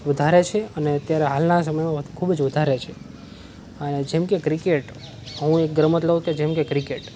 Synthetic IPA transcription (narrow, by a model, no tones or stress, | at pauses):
ʋəd̪ʱaɾet͡ʃʰeəneət̪jaɾeɦalnasəməjmãʋəd̪ukʰubd͡ʒʋəd̪ʱaɾet͡ʃʰe | əned͡ʒemkekɾikeʈ | əɦũek̚ɡɾəmət̪ləɦũked͡ʒemkekɾikeʈ